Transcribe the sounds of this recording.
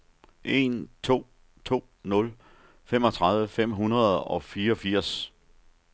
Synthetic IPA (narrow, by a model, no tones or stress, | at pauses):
ʔe̝nt͡sʰo̝̰ː | t͡sʰo̝̰ː | nɔ̽l | fem̰ɒ̽t͡sʰʁɑ̈ð̞ˠʋəfem̰ɦunɐð̩ˠɒ̽fiːɐɒ̽fiɐ̰s